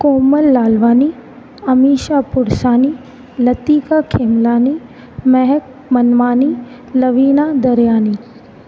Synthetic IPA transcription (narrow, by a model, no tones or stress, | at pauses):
koːməlːaːlʋaːni | ɐmiːʃapʊɽsaːni | lɐt̪iːkakʰeːmlaːni | mɛɦɛk̚ | mɐnʋaːni | lɐʋiːnaːd̪ɐɾjaːniː